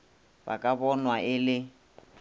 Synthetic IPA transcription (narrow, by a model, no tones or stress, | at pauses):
ba̰kʼabɔnwaʔɪlɪ